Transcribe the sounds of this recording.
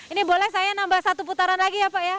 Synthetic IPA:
inibolɛhsajanambahsat̪up̬ut̪aɾanlaɡiapaja

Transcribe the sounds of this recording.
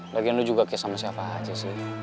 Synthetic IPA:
lʔaɡianud͡ʒuɡakɛsamasiapaɦad͡ʒɛsɪh

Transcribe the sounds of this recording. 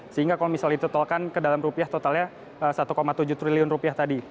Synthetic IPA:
səɦiŋɡakalomisalɲdit̪ot̪ɔlkankədalamrupiaht̪ot̪alɲa | əsat̪ukomat̪ud͡ʒʊht̪riliʊnrupiaht̪adi

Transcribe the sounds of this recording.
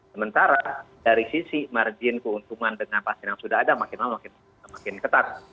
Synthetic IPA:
səmənt̪aɾa | daɾisisimard͡ʒɪnkəunt̪uŋandəŋanpast̪ɪnjaŋsudaɦadamakɪnmamakɪn | makɪnkət̪at̪̚

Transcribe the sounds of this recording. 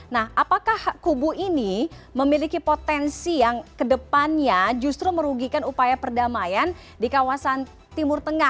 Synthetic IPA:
nahʔapakahkubuini | məmilikipot̪ɛnsijaŋkədəpanɲad͡ʒust̪ɾuməɾuɡikanupajapərdamajan | dikawasan | t̪imʊrt̪əŋa

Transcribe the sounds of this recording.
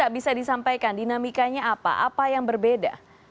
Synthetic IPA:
aʔbisadisampajkandinamikaɲaːpa̰ʔapajaŋbərbeda̰

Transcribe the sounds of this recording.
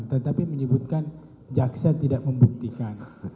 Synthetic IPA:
nt̪ət̪apiməɲəbut̪̚kan | d͡ʒaksat̪idaʔməmbuk̚t̪ikan

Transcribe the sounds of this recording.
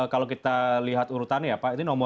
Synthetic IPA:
kalokit̪aliɦat̪uɾut̪anjapait̪unɔmɔ

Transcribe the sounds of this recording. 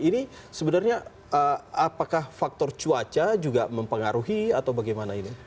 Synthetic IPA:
ini | səbənarɲa | əapakahfak̚t̪ɔrt͡ʃuat͡ʃad͡ʒuɡaməmpəŋaɾuɦiat̪awbaɡajmanaini

